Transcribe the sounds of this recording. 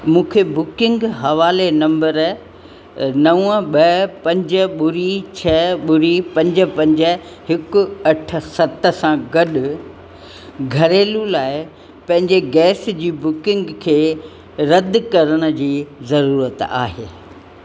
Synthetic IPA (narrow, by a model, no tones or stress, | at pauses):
mũːkʰebʊkɪ̃ŋɡɦɐʋaːlenɐ̃mbəɾ | nɐəɓɐpɐ̃ɲd͡ʑə̆ɓʊɾit͡ɕʰɐɓʊɾipɐ̃ɲd͡ʑə̆pɐ̃ɲd͡ʑə̆ | hɪkʊ̆ɐʈʰə̆sɐt̪̆sãɡɐɗʊ̆ | ɡʱɐɾeːlulaːɪ | pɐ̃ɦɪ̃ɲd͡ʑeɡɛːsd͡ʑiːbʊkɪ̃ŋɡkʰeː | ɾɐd̪kɐɾəɽ̃ə̆d͡ʑiːzɐɾuːɾət̪a̰ːɦeː